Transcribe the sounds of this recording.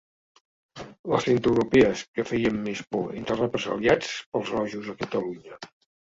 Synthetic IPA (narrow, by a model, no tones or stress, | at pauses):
ləsθent̪ɾəwɾupɛəskəfɛjəmːespɔent̪ərəpɾəzə̰liat͡spəlˠzɔʒuzəkət̪əluɲə